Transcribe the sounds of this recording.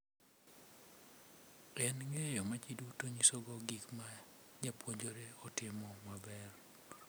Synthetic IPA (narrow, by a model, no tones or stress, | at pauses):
ɛnŋejomat͡ʃidutoɲisoɡɔɡikmad͡ʒapwoɲd͡ʒoɾeɔtɪmɔmabɛr